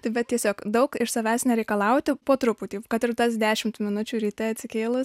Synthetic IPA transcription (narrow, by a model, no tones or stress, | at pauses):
t̪ɐɪbʲɛt̪t̪ʲiɛsʲoːkd̪ɐʊkɪʃsɐʋʲæːsʲnʲɛɾʲɛɪkɐlˠɐʊt̪ʲɪpoːt̪ɾʊpuːt̪ʲiːkɐt̪ʲɪɾt̪ɐsd̪ʲæːʃʲɪmt̪mʲɪnʊt͡ʃʲuːɾʲiːt̪ʲɛɐt̪ʲsʲɪkʲeːlˠʊs